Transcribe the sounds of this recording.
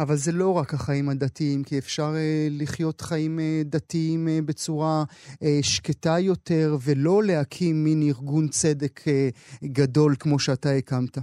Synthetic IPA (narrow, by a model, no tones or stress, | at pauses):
avalze̞lo̞ʁakhaχaimhad̪atiimkiefʃaʁeliχjo̞tχaimed̪atiimbe̞t͡suʁa | ʃketajo̞te̞ʁvelo̞le̞hakʰimːiniʁɡunt͡se̞de̞kʰeɡado̞lkmo̞ʃeataekamta